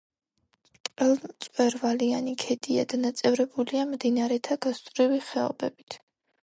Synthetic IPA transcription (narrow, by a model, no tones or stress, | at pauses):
t̪ʼɛlˠmt̪sʼwɛɾvalianikʰɛd̪ʼia̰d̪anat̪sʼɛvɾɛbuliamd̪inaɾɛt̪ʰaɡast̪ʼvɾiviχɛɔ̰bɛbit̪ʰ